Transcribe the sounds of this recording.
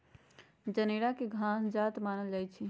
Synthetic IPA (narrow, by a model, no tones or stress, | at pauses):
d͡ʒəneɽakeɡʱãsd͡ʒat̪manəld͡ʒajt͡ʃʰi